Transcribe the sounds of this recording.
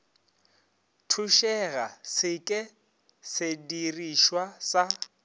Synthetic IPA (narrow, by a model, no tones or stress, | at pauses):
tʰuʃɛɣasɪkʼɪ | sɪdiriʃwasa